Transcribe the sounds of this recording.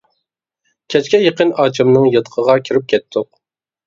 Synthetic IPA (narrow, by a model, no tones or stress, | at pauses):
kʲʰɛt͡ʃkʲɛjeqənɑːt͡ʃʰɨmnɨŋjɨt̪qʰəʁɑkʲʰiɾɪp̚kʲʰɛt̪ʰːʊq̚